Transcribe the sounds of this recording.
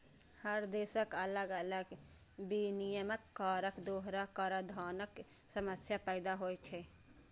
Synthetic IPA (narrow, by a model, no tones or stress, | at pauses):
həɾd̪eːsəkələɡələɡ | binijəməkːaːɾəkd̪oːɦɾakəɾad̪ʱaːnək | səməsjapəːd̪aɦoːet͡ʃʰɛ